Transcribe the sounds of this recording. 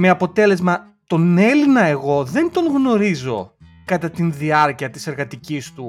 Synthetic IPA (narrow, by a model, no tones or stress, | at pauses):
me̞ɐpo̞t̪e̞le̞zmɐ | t̪o̞ne̞linɐe̞ɣo̞ðe̞nd̪o̞ŋɣno̞ɾizo̞ | kɐt̪ɐt̪inðiɐɾciɐt̪ise̞ɾɣɐt̪icist̪u